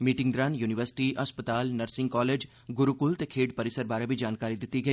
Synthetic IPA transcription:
miːʈɪ̃ŋd̪ɾaːnjuːnɪʋəɾsɪ̥ʈiːʔɐspət̪aːlnəɾsɪ̃ŋɡkɔːleːd͡ʒ | ɡʊɾukʊlt̪ekʰeːɖpəɾɪsəɾbaːɾabʱid͡ʒaːnkaːɾid̪ɪt̪ːiɡɐiː

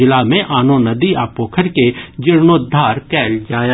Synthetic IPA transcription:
ɪlamẽʔaːnõnɐd̪iaːpoːkʰəɾked͡ʒɪɾnoːd̪ʱːaːɾkɛːld͡ʒaːja

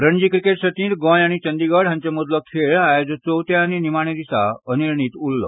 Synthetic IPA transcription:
ɾəɳd͡ʑiːkɾikeʈsət̪ĩnt̪̚ɡɔ̃jaɽ̃it͡ɕə̃nd̪iɡəɽɦãɲt͡ɕemɔd̪lɔkʰeɭajd͡zət͡sowt̪ɛaninimaɳ̃ed̪isa̰əniɾɳit̪ulːɔ̰

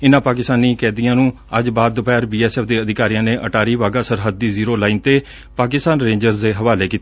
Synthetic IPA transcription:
ɪnãːpaːkɪst̪aːniːkɛːd̪ijãːnũː | əd͡ʒbaːd̪ːʊpɛːɾbiːɛːsɛːpʰd̪eːəd̪ɪkaːɾijãːneːʔəʈaːɾiːʋaːɡaːsəɾɦəd̪ːiːziːɾoːlaːiːnt̪eː | paːkɪst̪aːnɾẽːɲd͡ʒəɾzd̪eːɦəʋaːleːkiːt̪

